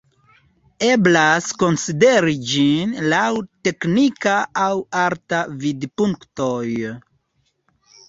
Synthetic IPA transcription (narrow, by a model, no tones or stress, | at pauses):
e̞blasko̞nside̞ɾid͡ʒinlawte̞knikaːwaɾtavidpuŋktoj